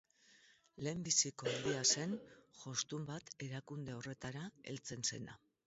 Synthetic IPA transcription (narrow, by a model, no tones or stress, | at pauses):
le̞ːmbisiko̞and̪iase̞nʝo̞st̪umbat̪e̞ɾakund̪e̞o̞re̞t̪aɾae̞̰lt͡se̞nse̞na̰